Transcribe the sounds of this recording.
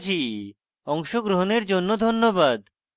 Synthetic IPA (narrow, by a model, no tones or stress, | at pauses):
d͡ʑʰi | ɔŋʃoɡɾoɦoneɾd͡ʑonːod̪ʱonːobad̪